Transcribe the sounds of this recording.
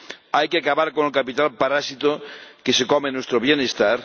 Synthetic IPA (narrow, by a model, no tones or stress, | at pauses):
ajkeakaβaɾkonelkapit̪alpaɾasit̪okesekomenwest̪ɾoβjenest̪aɾ